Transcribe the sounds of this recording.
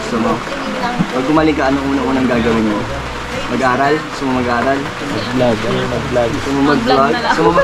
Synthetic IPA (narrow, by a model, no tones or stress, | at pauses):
sɐmo | pɐɡ̚ɡʊmaːlɪŋkɐʔɐnoʔuːnɐʔuːnɐŋɡaːɡɐwɪnmo | mɐɡʔaːɾɐlsʊmɐmɐɡʔaːɾɐl | ɐblaɡmɐblaɡsʊmɐmɐɡ̚laɡ̚sʊmama